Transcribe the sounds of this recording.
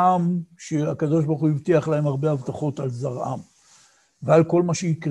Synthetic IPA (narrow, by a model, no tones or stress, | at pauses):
amʃeakad̪o̞ʃ̬baʁχuivt̪iaχlaɦemaʁbehavt̪aχo̞t̪alzaʁʔa̰m | vealko̞lmaʃeikʁ